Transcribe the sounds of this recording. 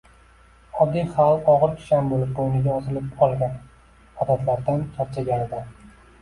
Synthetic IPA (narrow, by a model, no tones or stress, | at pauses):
ɒb̚d̪ijχalˠɒʁɨɾkʲʰʊ̥ʃanbolɪp̚bojnɪɡʲaɒzɪlɪpɒlˠɡʲan | ɒd̪at̪laɾd̪ankʲʰaɾt͡ʃʰaɡʲanɪd̪ɪ